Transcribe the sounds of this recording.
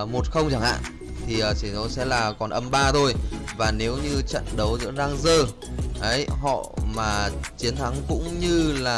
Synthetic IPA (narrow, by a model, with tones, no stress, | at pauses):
mo˨˩t̚xə˧wŋ͡mt͡ɕa˧˩ŋha̰ː˧˨n | t̪ʰi˨˩ʔəː˨˩t͡ɕi˧˩ɔ˧˦sɛ̰˧˥laː˨˩kɔ˨˩nʔə˧mɓaː˧t̪ʰo˧jvaː˨˩ne˨˦wɲɨ˧t͡ɕə̰˧˨nɗə˨˦wzɨ̰˧˥əzaː˧ŋzəː˧˩ | ʔə˨˦jɦɔ̰˧˨maː˨˩t͡ɕi˨˦ənt̪ʰa˨˦ŋkʊ̰˧˥ŋ͡mɲɨ˧laː˨˩